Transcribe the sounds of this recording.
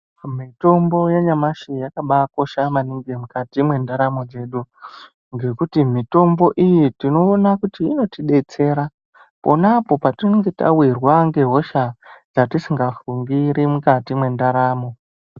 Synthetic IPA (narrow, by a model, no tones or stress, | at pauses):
mito̞mbo̞jeɲamaʃijakaɓako̞ʃamaniŋɡemukatimwe̞ndaɾamo̞d͡ze̞ɗu | ŋɡe̞kutimito̞mbo̞ʔijitino̞ːnakutiːno̞tiɗe̞t͡se̞ːɾa | po̞napo̞patinoŋɡeta̰wirwaŋɡe̞ɦo̞ʃad͡zatisiŋɡafuŋɡiɾʔimukatimwe̞ndaɾaːmo̞